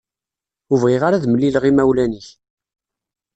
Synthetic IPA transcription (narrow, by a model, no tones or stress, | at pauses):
uvʁiʁaɾaðməlːilʁimæwlæniç